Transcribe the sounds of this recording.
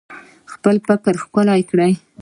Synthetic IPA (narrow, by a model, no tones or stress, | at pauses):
xpəlpakəɾxkʊlajkɽaj